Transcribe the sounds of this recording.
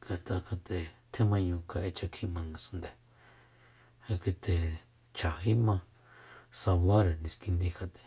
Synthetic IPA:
ka˨t̪ʰa˧ka˧t̪e˨t̪ʰe˦mã˧ɲũ˧ka˧ʔe˧t͡ʃa˧kʰi˦mã˧ŋɡa˧sũ˧nd̪e˨ | ha˧kʷi˧t̪e˨ | t͡ʃʰa˨ɦi˦mã˧ | sa˧βa˦ɾe˨nĩ˧ski˧nd̪ĩ˧ka˧t̪e̥˨

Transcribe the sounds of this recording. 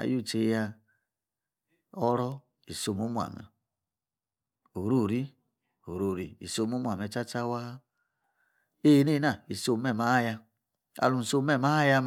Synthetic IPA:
a̰˨ju˦˨t͡ʃe˧˦ja˧ | ɔ˦ɾɔ˦ | i˨so˧˨mu˦mu˦a̰˨mɛ̰˨ | o˨ɾu˦˨ɾi˦ | o˨ɾo˦˨ɾḭ˨ḭ˨so˧˨mu˦mu˦˨a˨mɛ˨˧˨t͡ʃa˦t͡ʃa˦wa˦ | e˦˨ne˦na˦˨i˨so˧˨mɛ˦˨ma˨˦a˦˨ja˧ | a̰˧˨lu˨n̩˨so˦mɛ˦˨ma˦a˦ja˧m

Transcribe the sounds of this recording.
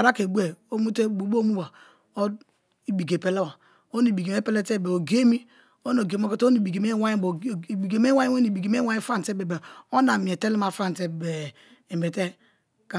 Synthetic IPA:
a˨ɾa˦ke˨bu˦e˨o˦mu˦te˦bu˨bo˦mu˦ba˨ | o˦ | i˨bi˨ɡe˨pe˨le˦wa˨ | o˦ni˨bi˨ɡe˨me˦pe˦le˦te˦˨be˨o˨ɡe˦mi˦ | o˦no˨ɡe˨mo˦ko˦to˦ni˨bi˨ɡe˨me˦wa˦jbo˨bi˨ɡe˨me˦wa˦o˦ni˨bi˨ɡe˨me˦wa˦i˦fa˦n˨te˦be˨be˨o˦na˨mi˨e˨te˦li˦ma˨fa˦˨n˨te˦be˨ | be˨te˦ | ka˨

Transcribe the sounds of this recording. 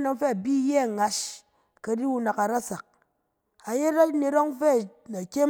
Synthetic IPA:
no˧ŋfe˦a˨bi˦je˦a˨ŋa˨ʃ | ka˧di˦u˦na˨ka˨ɾa˦sa˨k̚ | a˨je˦ɾa˦ne˧ɾo˦ŋfe˦˨a˨kʲe˦

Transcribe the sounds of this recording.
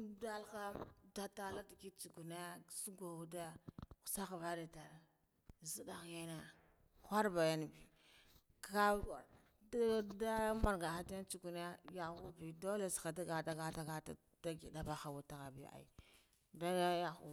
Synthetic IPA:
da˦lka˦da˦ta˦la˦di˨ki˦t͡ʃu˨ɡu˨na˦su˦ɡʷa˨u˦dḁ˦˨sa˦xva˦de˨ta˨ɾa˨ | zi˦da˨ɣja˦na˦˨ | xʷa˦ɾba˨ja˦n˨bi˨ | ka˦a̰˨ɾ | da˦ma˨ɾɡa˨xa˦ta˦t͡ʃu˨ɡu˨na˦ja˨xu˦bi˨do˦le˨sxa˨da˦ɡa˨da˦ɡa˦ta˦ɡa˦ta̰˨ | da˦ɡi˨da˦˨ba˦xa˨wu˨ta˨ɣa˨bḭ˦a̰˨ḭ˨ | da˦ja˦ja˨xṵ˨

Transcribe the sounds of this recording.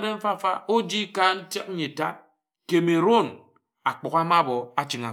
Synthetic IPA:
de˦m̩˦fa˦˨fa˦o˦d͡ʒi˦ka˦n̩˦tje˦k̩̚˦i˨ta˦ | ke˨me˨ɾo˦˨n | a˨k͡pɔ˨ka˦ma˦bɔ˨a˦t͡ʃi˨ŋa˨

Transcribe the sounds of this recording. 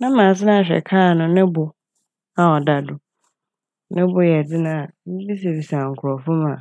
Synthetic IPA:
nã˦ãː˨s̬ɪ˦nã˦a˨ɕᶣɛ̰˨kʰaː˦˨nʊ̃˨nɪ̃˦bʊ˨ | a˦˨ɔ˨da˨dʊ˨ | nɪ̃˦bʊ˦jɛ˨d͡zɪ˦nã˨a˨m̩˦bi˦s̬e˨bi˨sa˨ŋ̩˨kʰʊ˨ɾɔ˨fʊ˦mãː˨

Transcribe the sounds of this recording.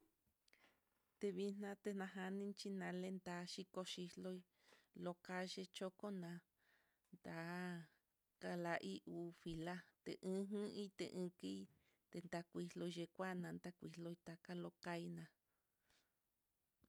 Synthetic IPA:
t̪e˧βi˧n̥nã˧t̪e˧nã˧ɦa˧nĩ˦nt͡ʃi˦nã˨˧le˦nd̪a˨˦ʃi˧ko˧ʃi˧hlo˦i˧ | lo˧ka˧ʃe˧t͡ʃo˦ko˦nã˧ | nd̪a˨˦ | ka˧la˧ʔi˦ʔuː˨˧fi˧la˦t̪ḛ˨ʔɨ̃˦ɦɨ̃˦i˦t̪ḛ˧ʔɨ̃˧ki˦ | t̪e˧nd̪a˧kʷi˧lo˧i˧ʒe˧kʷa˦nã˧nd̪a˦kʷi˧lo˧i˧t̪a˧ka˦lo˧ka˧i˧nã˧

